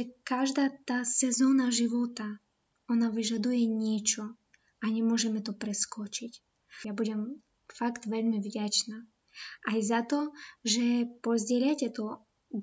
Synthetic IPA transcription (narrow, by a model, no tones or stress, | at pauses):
ɛkaʒd̪at̪asɛzɔnaʒɪʋɔt̪a | ɔnaʋɪʒad̪ujɛnʲit͡ʃɔ | anʲɛmɔʒɛmɛt̪ɔpɾɛskɔt͡ʃɪtʲ | jabudʲɛm | fakt̪ʋɛlʲmɪvdʲat͡ʃna | ajzat̪ɔʒɛpɔzʲdʲilʲatʲɛt̪ɔ